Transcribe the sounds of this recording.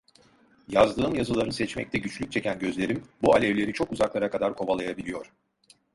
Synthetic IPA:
jazd̪ɯːɯmjazɯlˠaɾɯnsɛt͡ʃmɛ̰c̚t̪ʰɛɟyt͡ʃlʲyc̚t͡ʃʰe̞cænɟø̞zlʲe̞ɾimbualʲɛvlʲe̞ɾit͡ʃʰo̞kuzaklˠaɾakʰad̪aɾkʰo̞valˠajabilʲijo̞ɾ̥

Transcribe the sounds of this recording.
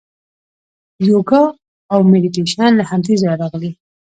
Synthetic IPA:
joɡa | awmediʈeʃɑnlahamd̪izaɾaɾɑɣli

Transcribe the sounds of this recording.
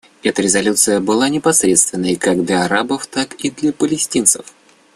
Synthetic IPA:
ɛt̪əɾʲɪzɐlʲut̪sɨjəbɨlˠanʲɪpɐsɾʲet̪st̪vʲɪnːəjkaɡd̪lʲɐɐɾabəft̪akid̪lʲəpəlʲɪsʲtʲint̪sɨ̰f

